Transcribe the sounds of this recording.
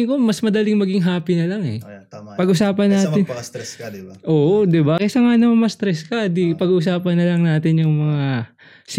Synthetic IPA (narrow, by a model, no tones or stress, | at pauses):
ɪŋkomɐsmɐd̪ɐlɪŋmɐɡɪŋɦaːpinɐlaŋɛ̰pɐɡʔʊsaːpɐnaːt̪ɪn | ʔoːʔd̪ɪbakɪsɐŋanɐmɐmɐst̪ɾɛskɐd̪ipɐɡuːʔʊsaːpɐnːɐlɐŋnaːt̪ɪnjʊŋmɐŋa | s